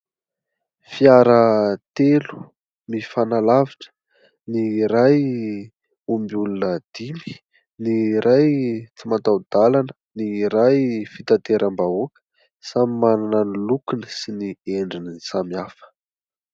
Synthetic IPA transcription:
fiaɾət̪elu̥ | mifanalaviʈ͡ʂə̥ | niɾaj | umbiulunəd̪̥imi̥ | niɾʔajt͡simat̪awd̪̥alanə̥niɾajfit̪at̪eɾʔəmbaokə̥ | samimanananilukinəsinieɳɖ͡ʐinisamiafə̥

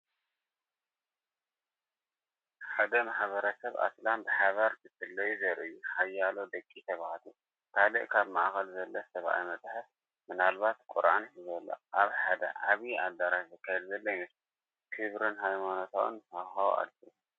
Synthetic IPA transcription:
ħad̪ɐmaħβɐɾɐsɐβa̰slambɨħaβɐɾzɨfɨlːɐjuzɐɾʔɨjːuħajːalo̞d̪ɐkʼːit̪ʰɐβahat̪ʰu | kʰalɨʔkʰaβmaʔxɐlzɐlːɐsɐβʔa̰jmɐd̪ħɨf | mɨnalβat̪kʼuɾʔanizɐlːɐ̰ʔaβħad̪ɐ̰ʔaβialːaɾatzɨkʰːajɛd̪zɐlːɐjmɨs | kʰɨβɾɨnɦajmanot̪ʰawṵnt̪awxaw̰ʔa̰li

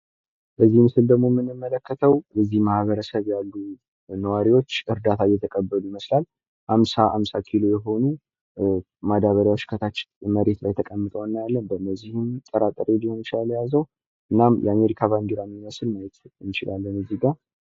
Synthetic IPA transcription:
bəzːihmɨsɨld̪əɡmo̞mːɨnːɨmːələkːət̪ʰəwbɛzːihmahβəɾəsəβjalːu | nəwaɾiwo̞t͡ʃːɨɾd̪at̪ʰajɛt̪ʰəkʼəbːəlujiməslal | ʔamsaʔamsakʰilo̞jɛɦo̞nu | mad̪aβəɾjawo̞t͡ʃːkʰət̪ʰat͡ʃːməɾe̞t̪lajt̪ʰəkʼəmːɨt̪ʼəwanːajalːənbəməzihɨmt̪ʼəɾat̪ʼəɾelihont͡ʃlaljazəw | ʔɨnːamjɛ̰ame̞ɾikʰaβand̪iɾamːiməsɨlmajɛt̪ɨnt͡ʃɪlʔalːənɨzːiɡa

